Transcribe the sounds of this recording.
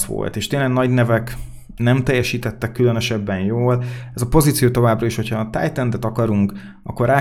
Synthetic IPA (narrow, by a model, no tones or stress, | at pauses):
ʋo̰lt̪eːʃt̪eːnlɛɡnɒɟnɛvɛk | nɛmt̪ɛjːɛʃiːt̪ɛt̪ːɛkːylønøʃɛbːɛnjoːlɛzɒpo̞zit̪sijoːt̪o̞vaːbrɒiʃho̞cʰhɒt̪a̰ːjt̪ɛnd̪ɛt̪ɒkɒɾuŋk | ɒ̰kːo̞ɾaː